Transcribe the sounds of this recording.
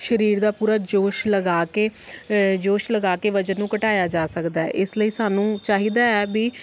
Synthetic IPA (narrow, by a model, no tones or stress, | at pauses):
ʃəɾiːɾd̪aːpuːɾaːd͡ʒoːʃləɡaːkeː | d͡ʒoːʃləɡaːkeːʋəd͡ʒənːũːkəʈaːjaːd͡ʒaːsəkd̪aːɛ̰ʔɪsləiːsaːnũːt͡ʃaːɦiːd̪aːɛːbiː